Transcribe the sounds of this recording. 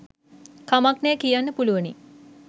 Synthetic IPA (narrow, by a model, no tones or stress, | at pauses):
kamaknejəkijanːəpuluʋənḭ